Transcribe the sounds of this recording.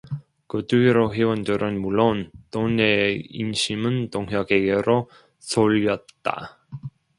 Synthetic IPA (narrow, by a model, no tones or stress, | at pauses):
kɯtuiɾoɸewʌndɯɾʔɯnmuɭːontoneḭnɕʰimɯntoŋɦjʌɡeɡeɾo | soʎːʌt̚t͈a̰